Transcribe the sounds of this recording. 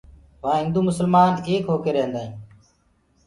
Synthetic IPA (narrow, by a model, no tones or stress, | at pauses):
ʋãːɦɪ̃nd̪uːmʊsəlmaːneːkɦoːkeːɾeɦə̃nd̪aːɦĩː